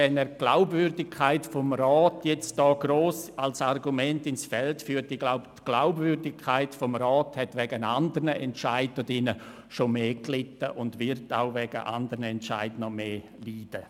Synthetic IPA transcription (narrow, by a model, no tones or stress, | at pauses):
ɛnɛːɾɡ̥la̰ʊbvʏɾdɪkʰːaɪtfɔmɾɔːtjɛt͡std̥ɔːɡɾoːsalsarɡumɛntɪnsfɛltfyːtɪɡ̥laʊbtɡ̥laʊbvʏrdɪkʰːaɪtfɔmɾɔːthɛtvɛɡənandəɾnəɛntʃaɪd̚dɔdɪnə | ʃomeːklɪtəʔʊndvɪɾta̰ʊvɛɡə̰ʔa̰ndəɾnəɛntt͡ʃa̰ɪdnɔmeː | liːd̥ə